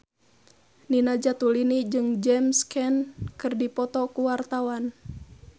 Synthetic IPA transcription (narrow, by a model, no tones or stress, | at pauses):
ninad͡ʒat̪ulinid͡ʒɨŋd͡ʒɛmskɛnkɨrdipɔt̪ɔkuwart̪awan